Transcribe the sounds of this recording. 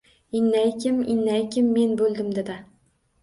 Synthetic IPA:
ɪnːajkʲʰɪmɪnːajkʲɪmːe̞nbɵlˠd̪ɪmd̪ed̪ɪ

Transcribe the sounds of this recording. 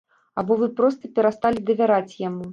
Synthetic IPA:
abɔvɨpɾɔst̪ɐpʲɛɾast̪alʲid̪ɐvʲaɾat͡sʲjamu

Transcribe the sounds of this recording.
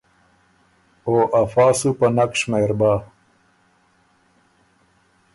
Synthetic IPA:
oːʔɐfaːsupɐnɐkʂmeːɾbaː

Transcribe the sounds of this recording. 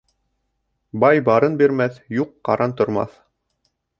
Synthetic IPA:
bɑjbɑɾɤnbiɾmæθjuqːɑ̰ɾɑnt̪ŏɾmɑ̰θ

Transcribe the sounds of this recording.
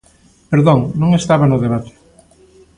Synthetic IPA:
peɾðõŋnõŋest̪aβanʊðeβat̪e̥

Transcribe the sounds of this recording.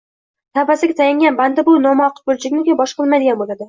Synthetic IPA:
t̪ʰabasɪɡʲat̪ʰajaŋɡʲanband̪ɪbʊnɒmaɒqbolt͡ʃʰɪɡʲnɪkʲabɒʃqɨlˠmajd̪ɪɡʲanbolad̪ɪ

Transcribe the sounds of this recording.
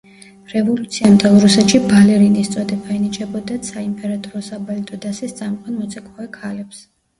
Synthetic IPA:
ɾɛvɔlut̪sʰiamt̪ʼʰɛlˠɾusɛt̪ʃibalɛɾinist̪sʼɔd̪ɛbainit͡ʃʼɛbɔd̪asaimpʼɛɾat̪ʼɔɾɔsabalit̪ʼɔd̪asɛst̪sʼamqʼanmɔt̪sʰʼɛkʼɔɛkʰalɛps

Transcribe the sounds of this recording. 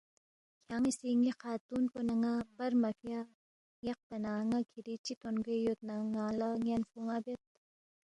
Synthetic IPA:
kʰjaːŋisiŋiqʰaːt̪unponɐŋabɐɾmɐfja | jɐq̚pɐnaːŋakʰiɾit͡ʃit̪onɡejot̪̚naŋaːlaŋɐnfuŋabet̪̚

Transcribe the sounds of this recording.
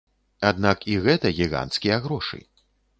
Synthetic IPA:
ad̪nakiɣɛt̪ɐɣʲiɣa̰nt̪skʲijɐɣɾɔʂɨ̰

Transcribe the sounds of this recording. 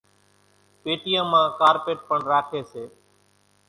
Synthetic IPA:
peːʈɪjãːmãːkaːɾpeːʈ̚pəɳɾaːkʰeːseː

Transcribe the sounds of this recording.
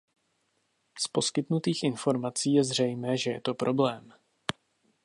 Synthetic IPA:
spo̞skɪt̪nut̪iːxʔɪnfo̞ɾmat͡siːjɛzr̝ɛjmɛːʒɛjɛ̰t̪o̞pɾʔo̞blɛːm

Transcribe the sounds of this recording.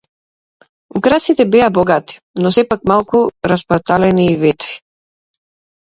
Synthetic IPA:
ukɾasit̪ɛbɛabɔɡat̪i̥ | nɔsɛpak̚malˠkuɾaspɔt̪alɛniːvɛt̪vi̥

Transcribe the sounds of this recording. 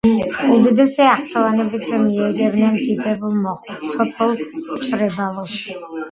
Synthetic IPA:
ud̪ɛd̪ɛsɛaχt̪ʰalanɛbizɛmiɛd̪ɛbnɛnt̪ʰit̪ʼɛbulˠmɔχɔsʰɔpʰɛlˠt͡ʃʼɾɛbalˠɔs

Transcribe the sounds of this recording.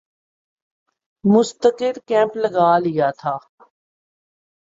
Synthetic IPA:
mʊst̪əkɪɾkɛ̃ːmplɐɡaːlɪjaːt̪ʰaː

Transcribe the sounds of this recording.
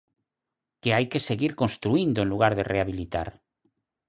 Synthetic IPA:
keajkeseɣiɾkonst̪ɾuind̪oenluɣ̞aɾðereaβilit̪a̰ɾ

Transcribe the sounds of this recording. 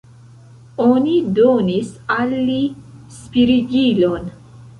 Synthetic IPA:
onidonisalːispiɾiɡilon

